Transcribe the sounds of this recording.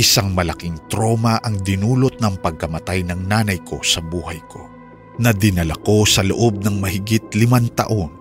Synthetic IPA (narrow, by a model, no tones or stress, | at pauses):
ʔɪsaŋmɐlɐkɪŋt̪ɾo̞ːmɐʔɐŋd̪ɪnuːlo̞t̪̚nɐŋpɐɡ̚kɐmɐt̪ajnɐŋnaːnɐjkʰo̞sɐbuːhɐjkʰo̞ | nɐd̪ɪnɐlɐko̞sɐloʔob̚nɐŋmɐhɪɡit̪̚lɪmant̪ɐ̰ʔo̞n